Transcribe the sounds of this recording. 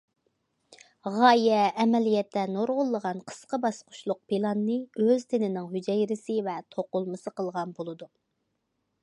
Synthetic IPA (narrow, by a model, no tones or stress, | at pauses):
ʁɑjɛːmɛlijɛt̪ʰːɛnoɾʁʊlˠːəʁɑnqʰə̥sqəbɑsqʰʊ̥ʃlˠʊq̚pʰilˠɑnːɨøzt̪ʰenɪnɪŋɦyd͡ʒɛjɾɪsɪvɛt̪ʰoqʊlˠmɨsɨqəlˠʁɑnbolˠɨd̪u